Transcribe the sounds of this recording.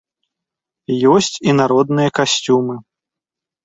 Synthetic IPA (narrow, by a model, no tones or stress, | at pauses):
jɔsʲt͡sʲinaɾɔd̪nɨjɐkasʲt͡sʲumɨ